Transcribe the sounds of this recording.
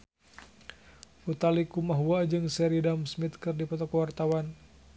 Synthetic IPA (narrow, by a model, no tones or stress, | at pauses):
ut̪alikumaɦuad͡ʒɨŋsɛɾidamsmit̪̚kɨrdipɔt̪ɔkwart̪awan